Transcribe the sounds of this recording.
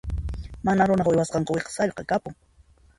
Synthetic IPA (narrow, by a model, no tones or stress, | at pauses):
manaɾʊnɑχwɪjwasqɑɴqʊweqsaʎqɑkapʊŋ